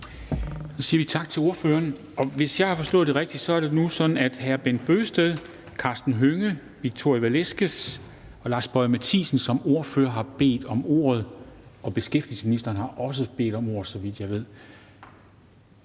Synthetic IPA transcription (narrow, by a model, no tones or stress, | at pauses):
sosiːɐʋit͡sʰɑ̈ɡ̥̚t͡sʰe̝lo̝ɐføːɐn | ʔɒ̽ʋe̝sjɑ̈ɪhɑ̈fɒ̽sd̥ɔ̽ːð̞̩ˠd̥e̝ʁɛɡ̥̚d̥i̥sɒ̽æɐd̥e̝nusɒ̽d̥n̩æd̥ɦæɐb̥end̥̚b̥øːsd̥eðˠ | kʰɑ̈sd̥n̩ɦøŋə | ʋiɡ̥̚t͡sʰo̝ɐ̰jiʋælesɡ̥əs | ʔɒ̽lɑ̈ːsb̥ɒ̽ɪmæt͡sʰḭːsən̩sɒ̽mo̝ɐføːɐɦɑ̈b̥e̝̰ːd̥ɒ̽mo̝̰ːɐð̞̩ˠɒ̽b̥e̝sɡ̥efd̥iŋ̩sminisd̥ɐːnɦhɑ̈ʔɒ̽s̬əb̥e̝̰ːd̥ɒ̽mo̝̰ːðˠsɒ̽ʋid̥jɑ̈ɪʋe̝ð̞̰ˠ